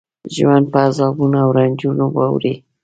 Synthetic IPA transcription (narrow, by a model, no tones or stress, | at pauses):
ʒwand̪̚paːzɑbunaawɾand͡ʒunawa̰wɾe